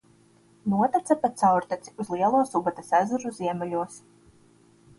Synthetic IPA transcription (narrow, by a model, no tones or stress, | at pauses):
nuɔt̪at̪sapat̪sawɾt̪at̪si̥uzlˠiɛlˠuɔsubat̪asæzuɾuziɛmɛlʲuɔs